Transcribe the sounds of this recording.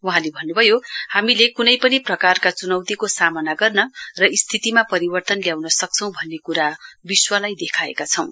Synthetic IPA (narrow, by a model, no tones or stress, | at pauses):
wuɦãlebʱʌnːubʱʌjohamilekunʌjpʌniprʌkarkat͡sunʌwt̪ikosamʌnaɡʌrnʌrʌist̪ʰit̪imapʌɾibʌrt̪ʌnljawnʌsʌk̚t͡sʰʌ̃w̃bʱʌnːekuɾabiswʌlajd̪ekʰaḛkat͡sʰʌw̃